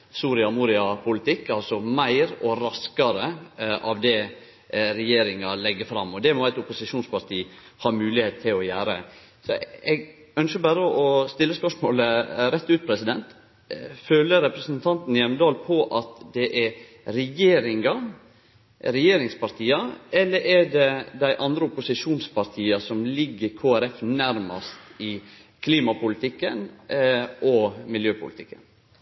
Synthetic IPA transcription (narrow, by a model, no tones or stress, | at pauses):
suːɾɪɑmuːɾɪɑpʰʊlɪt̪ʰɪkːɑlsɔmæɪɾɔɾɑskɑɾəʔɑʋd̪ɛ | ɾɛjeːɾɪŋɑlɛɡːəfɾɑ̰mːɔd̪ɛmɔæɪt̪ʊpʊsɪʂuːnspɑɾt̪ʰiː | hɑɾmʉːlɪheːt̪t̪ʰːɪlɔjæːɾə̰ | sɔɛɡ | œnʃəbæɾəʔɔst̪ɪlːəspœʂmoːləɾɛt̪ːʉːt̪̚pʰɾɛsɪd̪ɛnt̪ | føːləɾɛpɾəsnt̪ʰɑnt̪n̩jɛməd̪ɑːlpʰɔʔɑt̪d̪ɛʔɛɾ | ɾɛjeːɾɪŋɑ | ɾɛjeːɾɪŋspɑɾʈ̪ʰiːɑɛlːəɾʔɛɖɛd̪æɪʔɑnd̪ɾəʊpʊsɪʂuːnspɑɾt̪ʰiːɑsɔmlɪɡːəkʰoːæɾɛfnæɾmɑ̰st̪ɪ | kʰliːmɑpʊlɪt̪ʰɪkːən | ʔɔmɪljøːpʊ̰lɪt̪ʰɪkːə̰n